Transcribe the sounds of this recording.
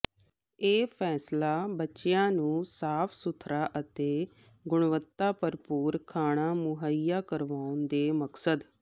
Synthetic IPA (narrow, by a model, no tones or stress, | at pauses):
eːpʰɛːslaːbətːʃɪjãːnũːsaːpʰsʊt̪ʰɾaːʔət̪eː | ɡʊɳ̃ʋət̪ːaːpəɾpuːɾkʰaːɽ̃aːmʊɦəijːaːkəɾʋaːʊnd̪eːməksəd̪